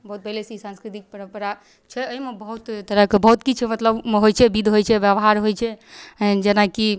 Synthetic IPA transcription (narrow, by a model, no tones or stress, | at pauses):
bəɦut̪̚pəɦlesisãnskɾit̪ik̚pəɾə̃mpəɾa | t͡ʃʰɛəimebəɦut̪t̪əɾəkebəɦut̪kit͡ʃʰɛmət̪ləbɦojt͡ʃʰɛbid̪ʱɦojt͡ʃʰɛʋjəbɦaɾɦojt͡ʃʰɛd͡ʒenaki